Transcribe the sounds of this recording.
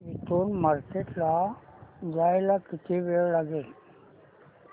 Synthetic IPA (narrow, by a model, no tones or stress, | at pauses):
it̪uːnmaɾkeʈla | d͡zajlakit̪ʰeʋeɭlaɡel